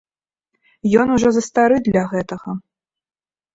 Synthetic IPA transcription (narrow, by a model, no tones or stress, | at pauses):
jɔnuʐɔzɐst̪aɾɨd̪lʲɐɣɛt̪ɐɣɐ